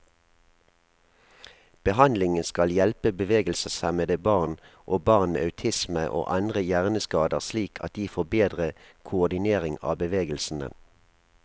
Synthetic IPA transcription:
b̥əhɑnd̪lɪŋənskɑljɛlpəbəʋeːɡəlsəsɑməd̪əbɑʁn | ʔoːbɑʁnmḛːɑʉt̪ʰɪsməʔo̰ːʔɑnd̪ʁəjæʁnəskɑːd̪əʁsliːkʰɑ̰t̪̚d̪iːfoːbeːd̪ʁəkʰʊʊd̪ɪneːʁɪŋɑ̰ːbəʋeːɡəlsn̩d̪ə̰n

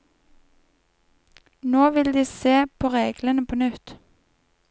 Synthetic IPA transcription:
noːʋɪld̪iːseːpʰoːʁeːɡlənəpʰoːnʉt̪

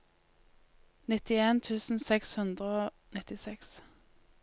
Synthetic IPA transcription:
nɪt̪ɪeːnt̪ʰʉːsn̩sɛkshʉnd̪ʁəoː | nɪt̪ɪsɛks

